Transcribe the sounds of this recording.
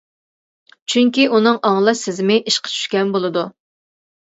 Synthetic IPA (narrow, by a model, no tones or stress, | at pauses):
t͡ʃʰyŋʲkʲiunɨŋʔɑŋlˠɨsɪzmɪʔiʃqʰə̥t͡ʃʰy̥ʃkʲɛnbolˠɨd̪u